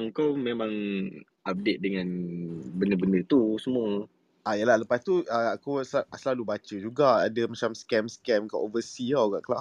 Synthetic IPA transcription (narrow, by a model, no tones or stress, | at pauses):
ŋkawmemãŋ | ap̚det̪̚dəŋãnbənəbəndət̪usəmu | ajəlahləpast̪uəakusasəlalubat͡ʃəd͡ʒuɡaadəmat͡ʃamskɛmskɛmkaʔovəsiaɡa̰ʔkəla̰ʔ